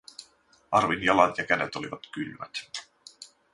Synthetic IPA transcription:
ɑrʋinjɑlɑt̪jɑkæde̞t̪o̞liʋɑt̪kylmæt̪

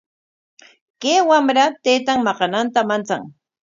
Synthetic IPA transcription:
kewamɾat̪ejt̪aŋmɑqɑnant̪amant͡sa̰ŋ

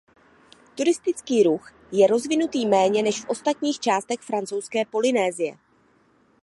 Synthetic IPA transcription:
t̪uɾɪst̪ɪt͡skiːɾux | jɛɾo̞zvɪnut̪iːmɛːɲɛnɛʃfʔo̞st̪at̪ɲiːxt͡ʃaːst̪ɛxfɾant͡so̞wskɛːpo̞lɪnɛːzɪjɛ̰

